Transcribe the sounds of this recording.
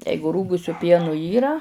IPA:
ˈjɛɪɡʊ ˈruːɡʊsʲʊ ˈpʲiɛnʊ ˈiːrɐ

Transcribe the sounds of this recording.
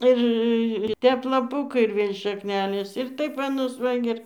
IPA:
ˈɪr ˈtʲɛp lˠɐˈpʊkɐɪ ɪr ˈʋʲeːlʲ ʃɐkˈnʲæːlʲeːs ɪr ˈtɐɪp ʋɐ nʊs ˈʋɐ ɡʲɪ ˈɪr

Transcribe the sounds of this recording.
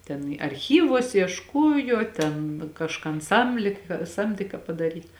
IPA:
tʲɛn ɪ ɐrʲˈxʲiːʋuɔs iɛʃˈkuɔjoː tʲɛn kɐʃˈkɐn ˈsɐmʲlʲeː kɐ ˈsɐmʲdʲeː kɐ pɐdɐˈrʲiːt

